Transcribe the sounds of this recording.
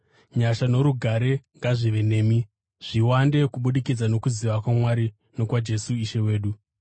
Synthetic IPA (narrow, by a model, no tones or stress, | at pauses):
ɲaʃano̞ɾuɡʱaɾe̞ŋɡaʐiʋe̞ne̞ːmi | ʐ̥iwande̞kuɓuɗikid͡zano̞kuziʋakwamwaɾi | no̞kwad͡ʒe̞suiʃe̞we̞ːɗu